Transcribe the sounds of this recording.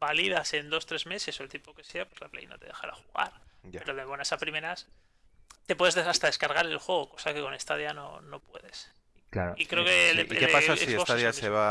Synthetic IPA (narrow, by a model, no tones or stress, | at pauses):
baliðase̞nd̪o̞st̪ɾe̞zme̞se̞soelt̪ipo̞ke̞seapwe̞zlaplḛjno̰t̪e̞ðe̞xaɾa̰xuɣa̰ɾapeɾoðeβo̞nasapɾime̞ɾas | t̪e̞pwe̞ðeðeast̪aðe̞skaɾɣaɾe̞lxwe̞ɣ̞oko̞sake̞ko̞nest̪aðjano̰no̞pwe̞ðe̞s | ikaɾoikɾeokekeasaiesoaðjaseβa